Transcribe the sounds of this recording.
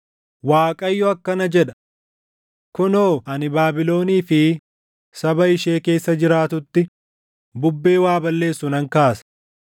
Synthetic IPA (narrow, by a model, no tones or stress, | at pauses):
waːkʼɐjːɔɐkːɐnɐd͡ʒɛᶑɐ̥ | kʊnoːɐnɪbaːbɪlo̞ːniːfɪ | sɐbɐɪʃeːke̞ːsːɐd͡ʒɪɾaːt̪ʊt̪ːɪ | bʊbːe̞ːwaːbɐlːe̞ːsːʊnɐŋkaːsɐ̥